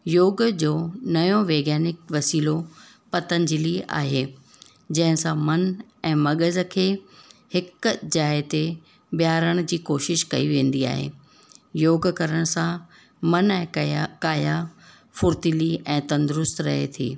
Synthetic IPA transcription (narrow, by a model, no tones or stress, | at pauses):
joːɡd͡ʑoːnɐjõʋeːɡaːnɪkʋɐsiːlo | pɐt̪ə̃ɲd͡ʑɪlia̰ːɦeː | d͡ʑɐ̃ɦɪ̃sãmɐnɛ̃ːmɐɠəzkʰeːhɪkd͡ʑaːɪt̪e | bjaːɾəɽ̃d͡ʑiːkoːʃɪʃkɐiʋẽːn̆d̪ia̰ːɦḛː | joːɡkɐɾəɽ̃sã | mɐnɛ̃ːkaːja | fʊɾt̪ɪliɛ̃ːt̪ɐ̃nd̪ʊɾʊst̪ɾɐ̰ɦḛt̪ʰḭː